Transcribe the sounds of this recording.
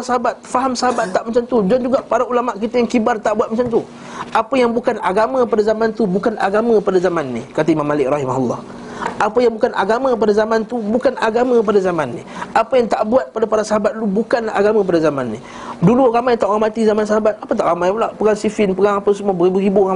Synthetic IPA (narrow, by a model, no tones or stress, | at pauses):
asəɦabat̪̚faɦamsəɦabat̪ːaʔmat͡ʃant̪ud͡ʒand͡ʒuɡaʔpaɾaulamaʔkit̪ajaŋkibart̪aʔbuat̪̚mat͡ʃant̪u | ʔapəjaŋbukanaɡamə̃p̬adazamant̪ubukanʔaɡamãpadazamanːḭkat̪aimamːalɪk̚rɑhimaɦulˠːɑh | ʔapəjaŋbukanʔaɡamə̃p̬adazamant̪ubukanʔaɡamə̃əpadazamanːḭapəjaŋt̪aʔbuat̪̚padapaɾasəɦabat̪̚lubukanlaaɡamakəp̬adazamanːi | duluramajt̪aʔɣamat̪izamans̬əɦabat̪̚apət̪aʔɣamajpəlaʔpəɡaŋsifɪnpəɡaŋapəsəmuabəibuibua